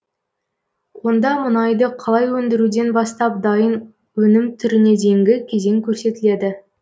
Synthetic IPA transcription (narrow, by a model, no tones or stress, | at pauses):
wo̞nd̪ɑmʊnɑjd̪əqʰɑlˠɑjwɵnd̪ɪɾud̪e̞nbɑst̪ɑp̚d̪ɑjən | wɵnɪmt̪ʰʏɾɪne̞d̪e̞jɪŋɡʲɪkʲʰe̞ze̞ŋkʲʰɵɾse̞t̪ɪle̞d̪ɪ